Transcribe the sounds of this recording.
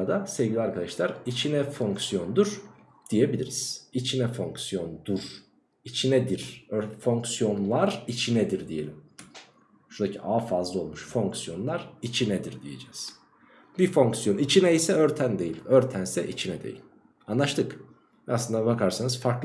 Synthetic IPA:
d̪asevɡɟilʲiaɾkʰad̪aʃlˠaɾit͡ʃʰinɛfo̞ŋksijo̞nd̪uɾ̥ | d̪̥ije̞bilʲiɾiz̥it͡ʃʰinɛfo̞ŋksjo̞nd̪uɾ̥ | it͡ʃʰinɛd̪iɾ̥øɾfo̞ŋksijo̞nlˠaɾit͡ʃʰinɛd̪iɾd̪ije̞̰lʲim | ʃuɾd̪acʰiʔaːfazlˠɯo̞lˠmuʃfo̞ŋksjo̞nlˠaɾit͡ʃʰinɛd̪iɾd̪ije̞̰d͡ʒɛ̰ːz̥ | bifo̞ŋksijo̞nit͡ʃʰinɛisɛøɾt̪ʰænd̪e̞jilʲøɾt̪ʰænsɛ̰ʔit͡ʃʰinɛd̪e̞̰jḭlʲ | anlˠaʃt̪ʰɯk | ɛasˠɯnd̪abakʰaɾsanɯzfaɾklˠ

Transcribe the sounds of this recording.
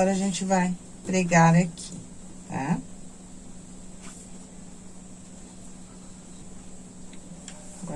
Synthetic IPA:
ɔɾɐʒẽnt͡ʃɪvaj | pɾeɡaɾakʰit̪ʰa̰ | ɡɔ

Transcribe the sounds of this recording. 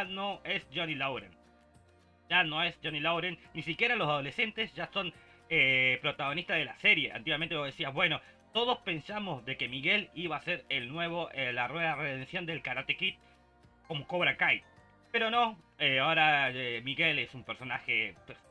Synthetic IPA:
ano̞e̞sd͡ʒonilowɾḛn | ʒano̞esd͡ʒonilowɾenːisikje̞ɾalo̞sað̞o̞le̞se̞nt̪e̞sʒaso̞n | epɾo̞t̪aɣ̞o̞nist̪aðelase̞ɾje̞ʔa̰nt̪iɣwament̪eβoðesiazβwe̞no̞ | t̪o̞ð̞ospe̞nsamo̞zðe̞ke̞miɣe̞liβaːse̞ɾelnwe̞βo̞ʔelarwe̞ðareðensjo̞nd̪e̞lkaɾat̪ekit̪̚ | ko̞mokoβɾakaj | pe̞ɾo̞no̞eaoɾaemiɣe̞lesumpeɾso̞naxepes

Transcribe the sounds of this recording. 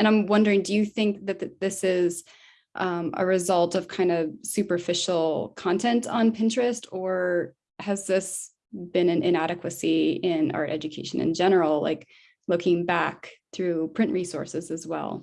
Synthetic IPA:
ɨ̃ɾ̃ãɪ̃mwʌ̃ndə˞ɪ̃ŋdɨjɨθɪ̃ŋk̚ðɨt̪̚ɨðɪsɪz | ʔʌ̃mə̰ɹɨzʌlˠtʌv̥kʰãɪ̃ndʌsʉpə˞fɪʃl̩ˠkʰɑ̃ntʰɛ̃ntn̩pʰɪ̃ntɹ̥ɨstə˞ | ɨzðɪs | b̥ɨ̃nɨ̃nʔɪ̃næɾɨkwɨsiɪ̃nɑ̰ɹɹʔɛ̰d͡ʒɨkʰeɪʃɨ̃nɨ̰̃nd͡ʒɛnə˞l̩ˠla̰ɪk | lʊkʰɪ̃ŋbækθɹʉpʰɹ̥ɪ̃nʔɹisɔ̰ɹsɨzɨzwɛ̰lˠ

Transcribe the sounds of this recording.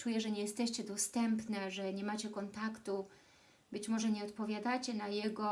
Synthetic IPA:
t͡ʂujɛʐɛɲɛjɛst̪ɛɕt͡ɕɛd̪ɔst̪ɛmpnɛʐɛɲɛmat͡ɕɛkɔnt̪akt̪u | bɘt͡ɕmɔʐɛɲɛɔt̪pɔvʲjad̪at͡ɕɛnajɛɡɔ

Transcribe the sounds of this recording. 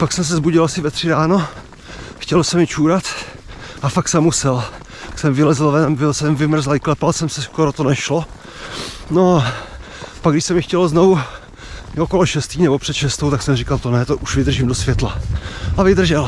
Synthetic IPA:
paksɛms̬ɛzbuɟɪlʔasɪvɛt̪r̝̥ɪɾaːno | xcɛlsɛmɪt͡ʃuːɾat̪ | ʔafaksɛmːusɛl | aksɛmvɪlɛzlvɛnmvɪlsɛmvɪmr̩zalɪklɛpalsɛmsɛskoɾot̪onɛʃlo | noa | paɡdɪʃsɛmɪxcɛlznovu | okoloʃɛst̪iːnɛbopr̥ɛt̪ʃɛst̪owt̪aksɛmrɪkalt̪onɛt̪oʔuʃvɪd̪r̩ʒimdosvjɛt̪laʔavɪd̪r̩ʒɛl

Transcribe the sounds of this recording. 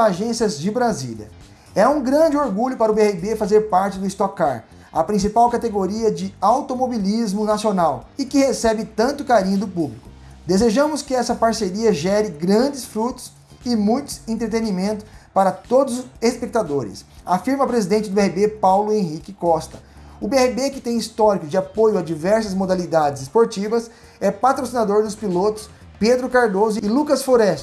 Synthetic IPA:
aʒẽsiɐzd͡ʒɪbɾazḭljɐ̰ | ɛũɡɾɐ̃nd͡ʒɪoɾɡuʎʊpaɾɐʊbehibefazeɾpaɾt͡ʃɪd̪ʊɪst̪okaɾ | ɐpɾĩsipawkat̪eɡoɾiɐd͡ʒɪawt̪omobilizmʊnasionawɪkɪhesɛbɪt̪ɐ̃nt̪ʊkaɾĩɲʊd̪ʊpublikʊ̥ | d̪ezeʒɐ̃mʊskɪɛsɐpaɾseɾiɐʒɛɾɪɡɾɐ̃d͡ʒɪsfɾut̪ʊ̥s | ɪmũj̃t̪ʊ̥sẽnt̪ɾet̪enimẽnt̪ʊpaɾɐt̪od̪ʊzespek̚t̪ad̪oɾɪ̰safiɾmɐpɾezid̪ẽnt͡ʃɪd̪ʊbeɛhibepawlʊẽɦikɪkɔst̪ɐ | ʊbeɛhibekɪt̪ẽj̃ist̪ɔɾikʊd͡ʒɪapojʊad͡ʒivɛɾsɐzmod̪alid̪ad͡ʒɪzɪspoɾt͡ʃivɐs | ɛpat̪ɾosinad̪oɾd̪ʊspilot̪ʊ̥s | ped̪ɾʊkaɾd̪ozʊɪlukɐsfloɾɛst͡ʃʊ̥

